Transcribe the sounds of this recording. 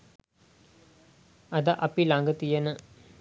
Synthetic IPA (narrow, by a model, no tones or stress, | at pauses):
ɐd̪aʔɐpilaŋɡət̪ijənə